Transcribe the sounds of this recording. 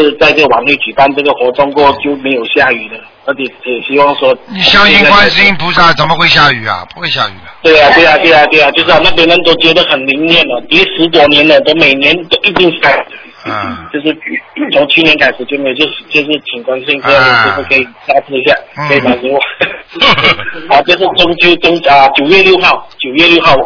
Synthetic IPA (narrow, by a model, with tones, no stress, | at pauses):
ʂɻ̩˥˧t͡sa˥˧ɪt͡sə˥˩ɡə˩wa˨˩nwe˥˩t͡ɕy˨˩pa˥˧nʈ͡ʂɤ˥˩ɡə˩xwɔ˧˥ʈ͡ʂɑ˥ŋkwɔ˥˩t͡ɕjo˥˩ʊme˧˥ɪjo˨˩ʊɕja˥˩y˨˩d̪ə˦ | ə˧˥t͡ɕʰjɛ˨˩˦kʰə˧˥jɛ˨˩ɕi˥wɑ˥˩ŋʂwɔ˥ni˨˩ɕjɑ˥ŋi˥˧n˥kwa˥˦n˥s̩˥i˥˩ŋpu˧˥sa˥˩t͡sə˨˩nmə˦˧xwe˥˧ɪɕja˥˩y˨˩ɐ̰˨˩pu˧˥xwe˥˧ɪɕja̰˥˩y̰˨˩t̪we˥˩ɪa˨˩t̪we˥˩ɪa˩t̪we˥˩ɪa˨˩t̪we˥˩ɪa˩t͡ɕjo˥˧ʊʂɻ̩˥˩˧na˥˩p̬ɛ˧˥nə˧˥nt̪o˥ʊt͡ɕjɛ˧˥d̪ə˧˨xə˨˩nli˧˥ŋnjɛ˥˩nə˨˩t̪jɛ˧˥ʂɻ̩˧˥t̪̬wɔ˨˥˩njɛ˧˥nə˨t̪o˥ʊme˨˩ɪnjɛ˧˥nt̪o˥ʊʔi˧˥t̪i˥˧ŋsa˥˩ɪ˨˩d̪ə˨˩ | i˥˩t͡ɕjo˥˧ʊʂ̬ɻ̩˥˧t͡ɕʰy˥˩t͡sʰʊ˧˥ŋt͡ɕʰy˥˧njɛ˧˦nkʰa˨˩ɪʂɻ̩˧˥t͡ɕjɛ˥nmɛ˧˩t͡ɕjo˥˧ʊʂ̩˨˩t͡ɕo˥˧ʂ̬ɻ̩˥˩t͡ɕʰi˨˩ŋkwa˥nʂ̩˥i˥˧ŋ̩˧˥ja˥˩ə˨˩t͡ɕo˥˧˩kʰə˧˥i˨˩sa˥˧ɪʈ͡ʂ̩ʰ˥˧ɕ̬ja˥˩ɤ˧˥i˨˩t̪a˨˩su˧˥wɔ˨˩˦ | ɔ˥˩ʈ͡ʂɤ˥˧ʂ̬ɻ̩˥˩t͡sʊ˥ŋt͡ɕjo˥˧ʊt͡so˥ŋa˧˩t͡ɕjo˨˩ʊjɥɛ˥˧ljo˥˧ʊxɑ˥˩ʊt͡ɕjo˨˩ʊjɥɛ˥˧ljo˥˧ʊxɑ˥˩ʊ